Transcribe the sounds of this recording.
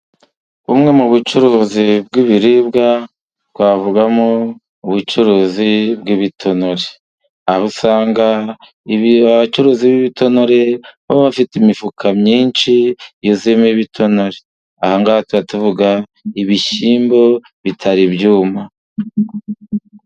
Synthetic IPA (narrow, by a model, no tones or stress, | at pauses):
umŋe̞muβut͡ʃuɾuːzib̚ɡiβiɾibɡa | tɡwavuɡamo | uβut͡ʃuɾuːzibɡiβitʰo̞no̞ɾe | ahusaːŋɡa | aβat͡ʃuɾuːziβiβitʰo̞no̞ɾe̞βaββafitimifukʰamɲiːnʃijozimeiβitʰo̞no̞ɾe̞ | ahaŋɡaβatuβatuvuɡaiβiʃiːmbo̞ | βitʰaɾibjuːma